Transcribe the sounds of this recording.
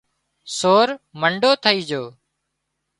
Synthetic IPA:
soːɾməɳɖoːt̪ʰəiːd͡ʒoː

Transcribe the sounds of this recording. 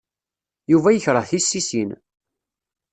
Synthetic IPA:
juvæjəçɾˤəθisːisin

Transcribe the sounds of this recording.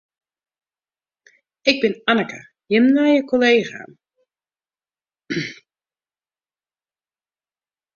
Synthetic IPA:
ɪɡ̚bɪnanəkə̰ | jəmnajəkolejxa̰ː

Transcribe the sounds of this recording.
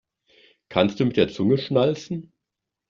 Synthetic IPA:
kʰanst̚d̥uːmɪtd̥eːɐt͡sʊŋəʃnalt͡sn̩

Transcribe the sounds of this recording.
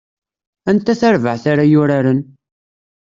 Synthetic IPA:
ænt̪ːæθæɾvəʕθaɾajʊɾaɾən

